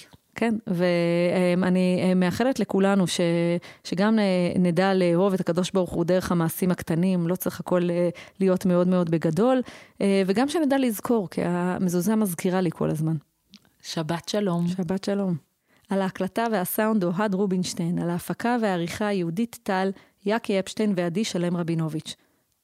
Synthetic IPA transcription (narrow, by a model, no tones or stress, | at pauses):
ke̞nvemanime̞aχe̞letle̞kulanuʃe̞ʃeɡamenedaleɦo̞vetakado̞ʃbaʁuχudeʁeχamaːsimakt̪animlo̞t͡siχhako̞leːijo̞tmeo̞dme̞o̞dbe̞ɡado̞lve̞ɡamʃenedalizkʰo̞ʁkʰḭa̰mezuzamazkiʁalikʰo̞̰lazman | ʃabat̪ʃalomʃabatʃalo̞m | alaːklataveasawnd̪oɦadʁubinʃtejnalaːfakaveaːʁiχajeuditːal | jakejapʃtejnveadiʃale̞mʁabino̞vit͡ʃ